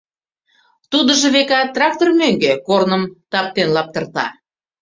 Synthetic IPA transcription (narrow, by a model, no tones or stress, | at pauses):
t̪ud̪əʒɤ̆βekɑt̪ːrɑk̚t̪ormøŋɡekornəmt̪ɑp̚t̪enlɑp̚t̪ərt̪ɑ̰